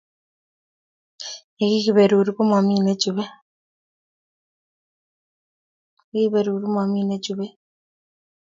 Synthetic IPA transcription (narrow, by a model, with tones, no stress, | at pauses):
eɣiɣiβe˨ɾu˨ɾiko˦ma˨mi˦ne˦t͡ʃuβe˦ | ɣi˦βe˨ɾuɾuma˨mi˦ne˦t͡ʃuβe˦